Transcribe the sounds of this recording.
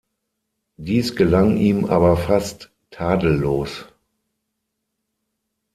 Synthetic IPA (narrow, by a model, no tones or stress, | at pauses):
d̥iːsɡ̥əlaŋʔiːmʔa̰ːbɐfastʰː | aːdl̩ːoːs